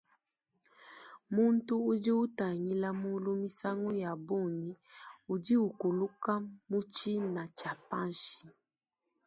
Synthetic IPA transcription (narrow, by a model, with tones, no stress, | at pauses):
mu˦n˦tu˦u˦di˦u˦ta˨ŋi˦la˦mu˦lu˦mi˦sa˦ŋu˦ja˨bo˦˨ni˦u˨di˦u˨ku˨lu˦ka˦mu˦t͡ʃi˦na˨t͡ʃa˨pa˦nʃi˨